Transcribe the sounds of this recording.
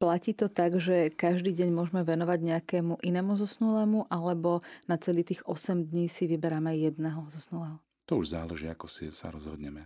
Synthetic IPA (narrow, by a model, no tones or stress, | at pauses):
placiːt̪ɔt̪aɡʒɛkaʒd̪iːɟɛɲmʊɔʒɛmɛʋɛnɔʋaɟɲɛakɛːmuʔinɛːmuzɔsnulɛːmuʔalɛbɔnat͡sɛliːt̪iːɣɔsɛmd̪ɲiːsiʋibɛɾamɛjɛd̪nɛːɦɔzɔsnulɛːɦɔ | t̪ɔuʒzaːlɛʒiːakɔsḭsa̰ɾɔzɦɔd̪ɲɛmɛ